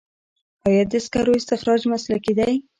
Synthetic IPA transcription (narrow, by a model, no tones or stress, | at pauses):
ɑjaɾd̪ɪskaɾoɪst̪ɪxɾɑd͡ʒmaslakid̪aj